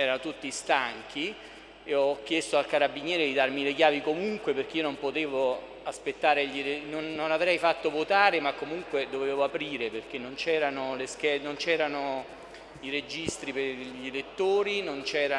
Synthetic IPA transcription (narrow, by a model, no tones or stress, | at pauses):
ɛːɾanot̪ut̪ːist̪aŋk̟ʰi | eɔɔkːjɛst̪oalkaɾabːinjɛːɾed̪id̪armilekjaːvikomuŋkweperk̟eionompot̪eːvo | aspet̪ːaːɾeʎelenonːonavɾɛjfat̪ːovot̪aːɾemakːomuŋkwed̪oveːvoapɾiːɾeperk̟enːont͡ʃɛːɾanolesk̟ɛnont͡ʃɛːɾano | iɾed͡ʒist̪ɾipeʎelet̪ːoːɾinont͡ʃɛːɾa